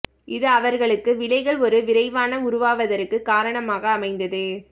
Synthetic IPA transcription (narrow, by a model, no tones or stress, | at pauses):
ʔɪðɯɐʋɐɾɣɐɭɯkːɯʋɪɭɐɪɣɐɭɔɾɯʋɪɾɐɪʋaːnɐʊɾʊʋaːʋɐðɐɾɯkːɯkːaːɾɐɳɐmaːɣɐːmɐɪnd̪ɐðɯ